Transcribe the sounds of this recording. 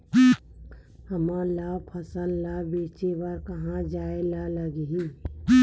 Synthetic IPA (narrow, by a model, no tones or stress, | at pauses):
həmãlaːbpʰəsəlːaːbeːt͡ʃebaɾkəɦãd͡ʒaːelaləɡɦi